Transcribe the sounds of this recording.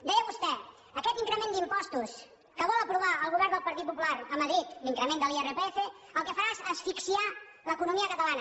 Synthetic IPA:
d̪ɛjəβust̪ɛ | əkɛt̪iŋkɾəmend̪impɔst̪us | kəβɔlˠəpɾuβ̞aəlˠɣuβɛɾrnd̪əlˠpəɾt̪it̪̚pupulaɾəməðɾit̪liŋkɾəmend̪əlˠierepefe | əlˠkəfəɾaezəsfiksia | ləkunumiəkət̪əlanə

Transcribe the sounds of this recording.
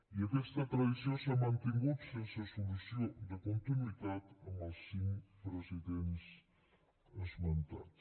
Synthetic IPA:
iəkɛst̪at̪ɾəðisjosamant̪iŋɡut̪sensəsulusijod̪əkunt̪inuit̪at̪əmalˠsimpɾosid̪ens | əsmənt̪a̰

